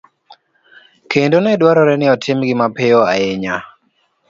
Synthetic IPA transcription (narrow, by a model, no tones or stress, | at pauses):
kendonɛdwaɾɔɾɛnɪɔtʰɪmɡɪmapɪɔa̰ɪɲa